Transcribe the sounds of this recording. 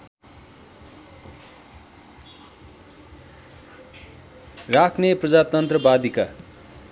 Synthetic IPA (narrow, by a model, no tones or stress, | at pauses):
rakʰneprʌd͡zat̪ʌnt̪rʌbad̪ika